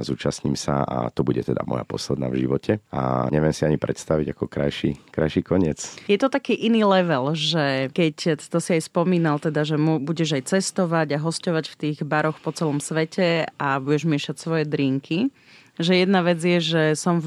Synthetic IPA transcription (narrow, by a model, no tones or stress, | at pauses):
zuːt͡ʃasɲimsa̰a̰t̪ɔbuɟɛt̪ɛd̪a̰mɔ̰japɔ̰slɛd̪na̰ːvʒḭʋɔcʰɛa̰ɲɛʋjɛmsiaɲipɾɛt̪st̪aʋiɟakɔkɾa̰jʃḭkɾajʃikɔɲɪɛt͡sjɛt̪ɔt̪akiːʔiniːlɛʋɛlʒɛkɛct̪ɔsiajspɔmiːnalt̪ɛd̪aʒɛmubuɟɛʒajt͡sɛst̪ɔʋaɟaɦɔscɔʋacft̪iːɣbaɾɔxpɔt͡sɛlɔmsʋɛcʰɛabuɟɛʒmɪɛʃacsʋɔjɛd̪ɾiːŋkʰi | ʒɛjɛd̪naʋɛd͡zjɛʒɛsɔm